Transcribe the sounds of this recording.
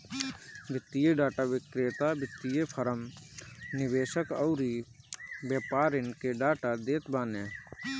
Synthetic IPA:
bɪt̪ːijeɖaːʈaːʋɪkɾeːt̪abɪt̪ːijepʰəɾəm | nɪʋeːʃəkəʊɾi | beːpaːɾɪnkeɖaːʈad̪eːt̪baːnɛː

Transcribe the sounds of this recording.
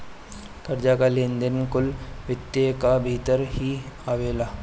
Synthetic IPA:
kɐɾd͡ʒakalẽːnd̪ənkʊlʋɪt̪ːjekabʱiːt̪əɾɦi | aːʋeːlaː

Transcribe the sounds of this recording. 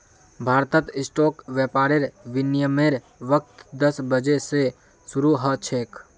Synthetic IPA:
bʱaːɾt̪ət̪ɪsʈoːkʋjɛːpaːɾeɾʋɪnjəmeɾ | ʋək̚t̪d̪əsbəd͡ʒese | sʊɾuɦət͡ʃʰeːk

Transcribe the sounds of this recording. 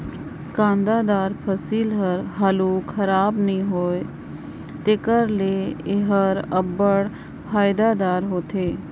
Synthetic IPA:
kãːnd̪ad̪aːɾpʰəsiːlɦəɾɦaluːkxɐɾaːbnĩɦoːe | t̪ekəɾleeɦəɾəbəɽ | pʰaːɪd̪ad̪aːɾɦoːt̪ʰeː

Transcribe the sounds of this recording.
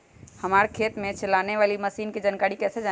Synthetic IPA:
həmaːɾkʰeːt̪mẽt͡ʃəlaːneʋaːliməsiːnkid͡ʒənkaːɽikɛːsed͡ʒa

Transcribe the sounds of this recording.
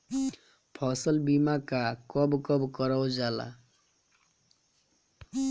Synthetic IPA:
pʰʌsʌlbimakakʌbkʌbkʌɾawd͡zala̰

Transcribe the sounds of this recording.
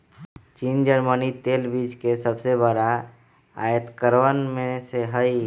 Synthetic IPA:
t͡ʃiːnd͡ʒəɾmənit̪eːlbid͡ʒkesəbsebəɾa | a̰jət̪kəɾʋənmẽseɦəi

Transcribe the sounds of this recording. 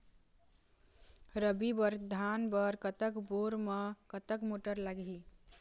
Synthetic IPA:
ɾəbibəɾd̪ʱanbəɾkət̪əkboɾməkət̪əkmoʈəɾlaɡi

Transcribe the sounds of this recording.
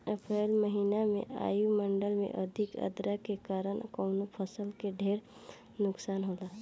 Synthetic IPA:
əpɾeːlməɦiːnamḛ̃a̰ːjuməɳɖəlmḛ̃ʔəd̪ʱɪkə̰d̪ɾakekaːɾənkɔʊnopʰəsəlkeɖʱeːɾ | nʊksaːnɦoːlaː

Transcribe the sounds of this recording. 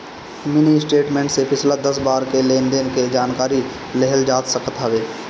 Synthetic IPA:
mɪnisʈeːʈmẽːɳʈsepʰɪslad̪əsbaːɾkeleːnd̪enked͡ʒaːnkaːɾi | lɛɦəld͡ʒaːt̪səkət̪ɦaʋeː

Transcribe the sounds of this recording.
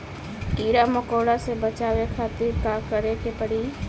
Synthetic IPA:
ʈiːɾaməkoːɽasebət͡ʃaːʋekʰaːt̪ɪɾkakəɾekepəɽiː

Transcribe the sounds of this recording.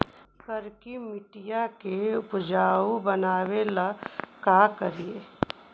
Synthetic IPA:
səɾkimɪʈijakeʊpd͡ʒaːubənaːwelakaːkəɾieː

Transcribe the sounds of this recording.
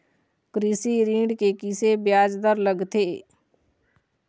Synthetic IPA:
kɾisiːɾĩːɳɖkeːkɪseːbjaːd͡ʒd̪əɾləɡt̪ʰeː

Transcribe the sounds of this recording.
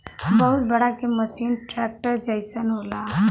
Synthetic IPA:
bəɦʊt̪̚bəɽakeməsiːnʈɾɛːk̚ʈəɾd͡ʒəɪsənɦola

